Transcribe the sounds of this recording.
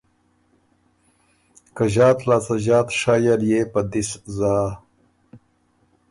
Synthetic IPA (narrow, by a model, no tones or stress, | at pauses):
kɐʑaːt̪laːsaʑaːt̪ʂaːjɐɾjepɐd̪iszaː